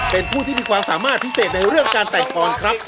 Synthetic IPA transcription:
pe˧npʰuː˥˩t̪ʰiː˥˩miː˧kwaː˧msaː˩˦maː˥˩t̪̚pʰi˦˥seː˨˩t̪̚na˧jɾɯ˥˩əŋkaː˧nt̪ɛ˨˩jkɔː˧nkʰɾa˦˥p̚

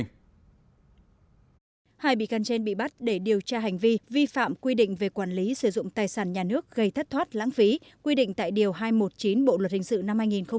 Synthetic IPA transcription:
haː˧jɓḭ˧˨ka˧nt͡ɕe˧nɓḭ˧˨ɓa˦˥t̚ɗe˧˩ɗi˨˩əwt͡ɕaː˧ɦa˨˩jŋ̟vi˧vi˧fa̰ː˧˨mkwi˧ɗḭ̈˧˨ŋ̟ve˨˩kwaː˧˩nli˨˦sɨ˧˩zʊ̰˧˨ŋ͡mt̪aː˨˩jsaː˧˩nɲaː˨˩nɨ˦˥ək̚ɣə˧jt̪ʰə˦˥t̚t̪ʰwaː˦˥t̚la̰ː˧˥ŋfi˨˦kwi˧ɗḭ˧˨ŋ̟t̪a̰ː˧˨jɗi˨˩əwɦaː˧jmo˨˩t̚t͡ɕi˨˦nɓo̰˧˨lwə˨˩t̚hï˧˨ŋ̟sɨ̰˧˨na˧mhaː˧jŋi˨˩nxə˧ŋ͡m

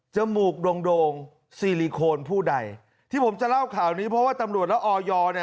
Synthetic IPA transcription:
t͡ɕa˨˩muː˨˩k̚do˧ŋdoː˧ŋ | siː˧˩liː˧kʰoː˧npʰuː˥˩da˧j | t̪ʰiː˥˩pʰo˩˦mt͡ɕa˨la˥˩wkʰaː˨˩wniː˦˥pʰɾɔ˦waː˥˩t̪a˧mɾu˨˩əlɛː˦˥wʔɔː˧jɔː˧ni˥˩

